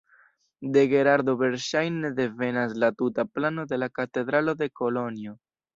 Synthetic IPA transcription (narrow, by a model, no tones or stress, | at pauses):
de̞ɡe̞ɾaɾdo̞ve̞ɾʃajne̞de̞ve̞naslatutaplano̞de̞lakate̞dɾalo̞de̞ko̞lo̞nio̞